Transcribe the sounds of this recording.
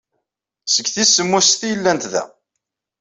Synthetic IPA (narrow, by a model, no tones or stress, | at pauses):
səɡθisːəmːusθijəlːænt̪ðæ̰